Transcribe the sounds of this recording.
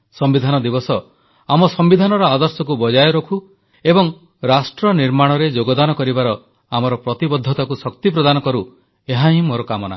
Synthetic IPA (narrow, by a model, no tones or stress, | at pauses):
sɔmbid̪ʱanɔd̪ibɔsɔ | amɔsɔmbid̪ʱanɔɾɔad̪ɔɾsɔkubɔd͡ʒajɔɾɔkʰu | ebɔŋ | ɾasʈɾɔniɾmaɽ̃ɔɾed͡ʒoɡɔd̪anɔkɔɾibaɾɔ | amɔɾɔpɾɔt̪ibɔd̪ʱːɔt̪ɔkusɔk̚t̪ipɾɔd̪anɔkɔɾu | eɦaɦĩmoɾɔkamɔna̰